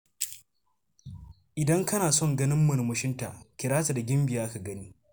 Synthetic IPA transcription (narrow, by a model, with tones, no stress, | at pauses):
ʔɪ˨dɐ˦ŋkɐ˦naː˨sɔ˦˨ŋɡɐ˦nɪ˦mːʊ˨n˨mʊ˦ʃɪ˦nta̰˨ʔkʲɪ˨ɾaː˦ta˨da˨ɡʲɪ˦mbɪ˨jaː˦ʔa˦ka˨ɡɐ˦niː˦